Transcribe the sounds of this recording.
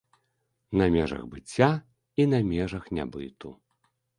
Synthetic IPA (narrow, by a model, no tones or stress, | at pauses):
nɐmʲɛʐɐ̰ɣbɨt͡sʲːa | inɐmʲɛʐɐxnʲa̰bɨt̪u